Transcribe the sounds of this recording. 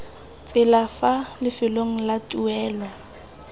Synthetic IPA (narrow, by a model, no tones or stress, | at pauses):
t͡sʼɪlafalɪfɪloŋ̩latʼuɛːlɔ